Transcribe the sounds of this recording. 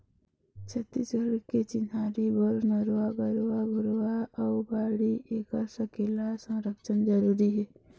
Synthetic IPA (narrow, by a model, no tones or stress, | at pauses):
t͡ʃʰət̪ːit͡ʃəlket͡ʃɪnaːɾibəɾnəɾwabəɾwabʱʊɾwaɔːbaːɽiʔeːkəɾsəkelasə̃ɾəkʃənd͡ʒəɾuːɾiɦɛː